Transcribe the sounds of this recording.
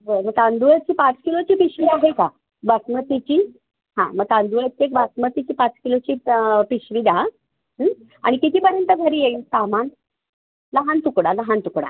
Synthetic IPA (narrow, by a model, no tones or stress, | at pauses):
ʋəməɡ̚t̪and̪uɭət͡ɕiːpat͡skilot͡ɕiːpiɕʋid̪aɦəjka | basmət̪it͡ɕiː | ɦã̰məɡ̚tand̪uɭət͡ɕiek̚basmət̪it͡ɕiːpat͡skilot͡ɕiːpiɕʋid̪a | ɦə | a̰ɽ̃ikit̪ʰiːpəɾjənt̪əɡʱəɾiːjeisaman | ləɦant̪ukɽaləɦant̪ukɽa̰